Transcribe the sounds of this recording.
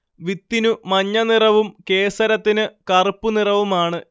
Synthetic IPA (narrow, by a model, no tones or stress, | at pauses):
ʋit̪ːinumɐɲːɐnirɐʋumke̞ːsɐɾɐt̪ːinɨkɐrɨpːunirɐʋumaːɳɨ